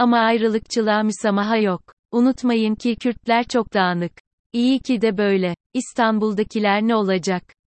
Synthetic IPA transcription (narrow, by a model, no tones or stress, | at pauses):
amaːjɾɯlˠɯkt͡ʃʰɯlˠaːmysamaɦajok̚ | unut̪majɯmcʰicʰyɾt̪lʲæɾt͡ʃʰo̞k̚d̪aːnˠɯk | ijicʰid̪ɛbø̞jlʲɛ | ist̪ʰanbulˠd̪acʰilʲæɾnɛo̞lˠad͡ʒak